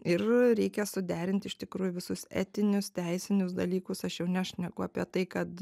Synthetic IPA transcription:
ɪrɾʲɛɪkʲɛsʊd̪ʲæːɾʲɪnʲt̪ʲɪʃʲt̪ʲɪkɾuːjʊʋʲɪsʊsɛ̰ːt̪ʲɪnʲʊst̪ʲɛɪsʲɪnʲʊsd̪ɐlʲiːkʊsɐʃjɛʊnʲɛɐʃʲnʲɛɡʊɐpʲiɛt̪ɐɪkɐt̪

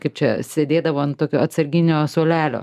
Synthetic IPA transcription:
kɐɪp̚t͡ʃʲɛsʲeːd̪ʲeːd̪ɐʋoːɐnt̪oːkʲoːɐt̪sɐɾʲɡʲɪnʲoːsoːlʲæːlʲo̰ː

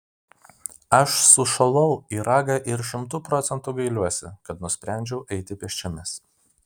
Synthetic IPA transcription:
ɐʃsʊʃɐlˠɐʊiːɾɑːɡɑʔɪɾʃʲɪmt̪uːpɾɔt̪sʲɛnt̪ʊɡɐɪlʲuɔsʲɪ̰kɐt̪nʊsʲpʲɾʲæˑnʲd͡ʒʲɛʊʔɛɪt̪ʲɪpʲɛʃʲt͡ʃʲɛmʲɛs

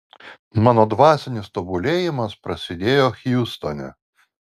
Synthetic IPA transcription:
mɑːnoːd̪ʋɑːsʲɛnʲɪst̪obʊlʲeːjɪmɐspɾɐsʲɪd̪ʲeːjoːxʲjust̪onʲɛ̰

